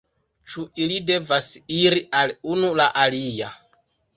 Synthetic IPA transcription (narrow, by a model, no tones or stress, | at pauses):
t͡ʃuʔilide̞vasiɾiʔalunulaʔalija